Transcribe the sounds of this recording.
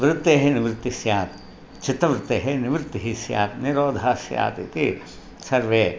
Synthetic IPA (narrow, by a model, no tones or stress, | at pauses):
ʋɾɪt̪ːeːɦeniʋɾt̪ːisjaːt̪̚ | t͡ʃʰit̪ːɐʋɾɪt̪ːeːɦeniʋɾt̪ːiɦisja̰ːt̪niɾoːd̪ʱaːsja̰ːt̪it̪i | sɐɾʋeː